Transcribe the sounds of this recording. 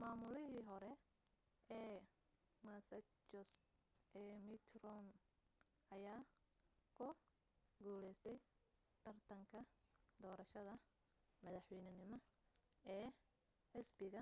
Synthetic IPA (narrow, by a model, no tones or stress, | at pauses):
maːmʊlɪɦiːɦɔɾɛ | ɛː | masɐ | t͡ʃɔs | ʔɛːmɪt̪ʰrɔn | ɐjaː | kʰʊ | ɡuːlɛjst̪ʰɛj | t̪ʰɐrt̪ʰɐŋkʰɐd̪ɔːɾɐʃɐðɐ | mɐðɑħwɛjnɐnɪmɔɛː | ħɪsbɪɣɐ